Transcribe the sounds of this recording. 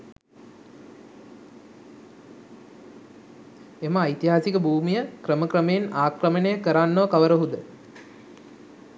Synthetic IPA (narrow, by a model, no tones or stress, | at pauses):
eməːjt̪iɦaːsikəbʱuːmijəkrəməkɾəmejenaːkrəmənejəkəɾanːoʋəkaʋəɾəɦud̪ə